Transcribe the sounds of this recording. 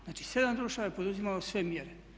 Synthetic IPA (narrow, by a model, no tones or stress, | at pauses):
naːt͡ʃi̥se̞d̪amd̪ɾuʃaʋajepo̞d̪uzimalosʋe̞mjeɾe